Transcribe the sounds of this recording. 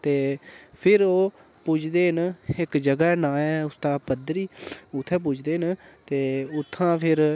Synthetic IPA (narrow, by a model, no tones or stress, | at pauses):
t̪eːpʰɪɾoː | pʊt͡ʃʰd̪eːɦənɪkd͡ʒəɡaːnaːɛːʊst̪aːpəd̪ɾiːʊt̪ʰːɛːp̬ʊt͡ʃʰd̪eːɦɪnt̪eːʊt̪ʰːãːpʰɪɾ